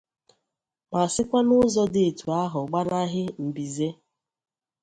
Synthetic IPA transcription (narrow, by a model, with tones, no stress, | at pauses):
ma˨sɪ˦kʷa˦nʊ˦zɔ˦de˨tu˨a˦ɦʊ˨ɡ͡ba˦ɾa˦ɦɪ˦m̩˨bi˨ze˦